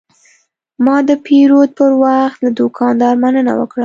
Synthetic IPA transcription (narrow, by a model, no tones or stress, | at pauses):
mɑd̪əpʰeɾod̪̚pəɾwaxt̪lad̪ʊkʰɑnd̪ɑɾmanəna̰wə̰kɽa